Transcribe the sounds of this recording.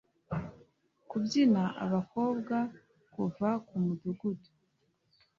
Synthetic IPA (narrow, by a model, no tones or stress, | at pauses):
kubɟinaʔa̰βako̞ːbɡa | kuvakumuduɡudu̥